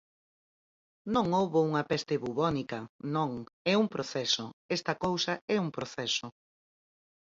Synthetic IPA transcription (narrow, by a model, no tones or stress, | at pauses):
nõŋowβouŋɐpɛst̪eβuβɔnikɐnõŋɛumpɾoθɛsoɛst̪ɐkowsɐɛuŋpɾoθɛsʊ